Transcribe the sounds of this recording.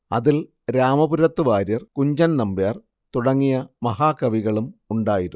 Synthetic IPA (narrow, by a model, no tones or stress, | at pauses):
ɐ̰ðil | ɾaːmɐbuɾɐt̪ːuʋaːɾjɐrkuɲd͡ʑɐnnɐmbjaːr | t̪uɽɐŋːijɐmɐɦaːkɐʋiɣɐɭumuɳɖaːjiɾu